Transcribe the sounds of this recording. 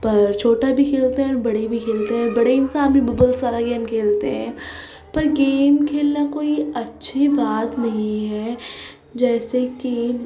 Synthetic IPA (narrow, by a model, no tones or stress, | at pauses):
pɐɾt͡ʃʰoːʈabʱikʰeːlt̪eɦɛ̃ɔːɾbɐɽebʱikʰeːlt̪eɦɛ̃bɐɽeɪnsaːnbĩbəbəlsaːɾaɡeːmkʰeːlt̪eɦɛ̃ː | pɐɾɡeːmkʰeːlnakoːiɐtːʃʰibaːt̪nɐɦĩɦɛː | d͡ʒɛːsekeːm